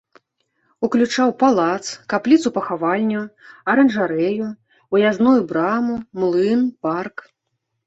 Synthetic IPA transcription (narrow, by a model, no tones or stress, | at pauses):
uklʲut͡ʂawpalˠat̪skaplʲit̪supɐxavalʲnʲuɐɾɐnʐaɾɛju | ujaznujubɾamumlˠɨnpark